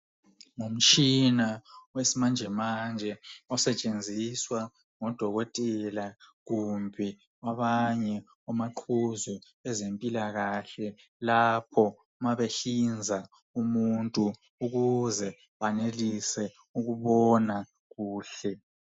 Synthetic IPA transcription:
ŋum̩t͡ʃʼinawesimand͡ʒʱɛmand͡ʒʱɛɔsɛt͡ʃʼend͡zʱiswa | ŋɔd̥ʱɔɣɔtʼɛlaɣumbʱɛ | aβaɲɛ | ɔmaǃʰuzu | ɛzempʼilaɣaɬɛ | lapʰɔ | maβeɬind͡zʱa | umuntʼu | uɣuzɛ | βanelisɛ | uɣuβɔna | ɣuːɬɛ

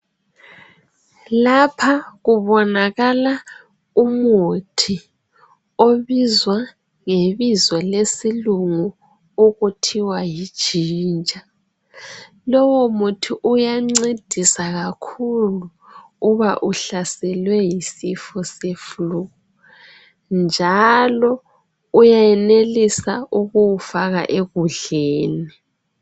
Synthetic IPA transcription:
lapʰaɣuβɔnaɣala | umutʰi | oβizwa | ŋeβizwɔlesiluŋu | uɣutʰiwajid̥ʒ̥ʱiːnd͡ʒʱa | lɔwomutʰiʔujaŋ͡ǀid̥ʱisaɣakʰulu | uβaʔuɬasɛlwɛjisifɔsefluɣɔ | nd͡ʒʱalɔ | ujajɛnelisauɣuwufaɣa̰ʔeɣuɮeːni

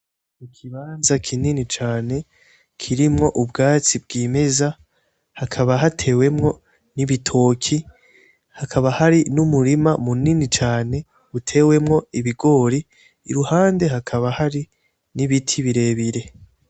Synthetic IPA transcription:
ikʰiβaːnzakʰininit͡ʃaːne̞ | kʰiɾimŋo̞ʔubɡaːt͡sib̚ɡiːme̞za | hakʰaβaɦatʰe̞ːwe̞mŋo̞ | niβitʰo̞ːkʰi | hakʰaβahaɾinumuɾimamuninit͡ʃaːne̞ | utʰe̞we̞mŋo̞iβiɡo̞ːɾḭː | ɾuhaːnde̞ɦakʰaβahaɾi | niβitʰiβiɾe̞ːβiɾe̞

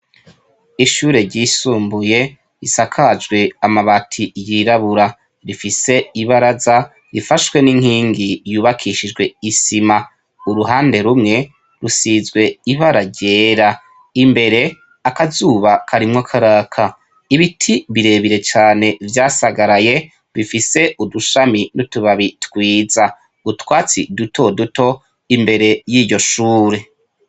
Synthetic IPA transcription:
iʃuːɾe̞ɾɟiːsuːmbuje̞ | isakʰad͡ʒɡwe̞amaβatʰijiːɾaβuɾa | ɾifise̞iβaɾaza | ɾifaʃwe̞niŋ̥hiːŋɡijuːβakʰiʃid͡ʒɡwe̞isima | uɾuɦaːnde̞ɾumŋe̞ | ɾusiːzɡwe̞iβaɾaɟe̞ːɾa | imbe̞ɾe̞ | akazuːβakʰaɾimŋakʰaɾakʰa | iβitʰiβiɾe̞ːβiɾe̞t͡ʃaːne̞vjaːsaɡaɾaje̞ | βifise̞ʔuduʃaminutuβaβitwiːza | utwaːt͡sḭdutʰo̞duto̞ | imbe̞ɾe̞jiːɾɟo̞ʃuːɾe̞

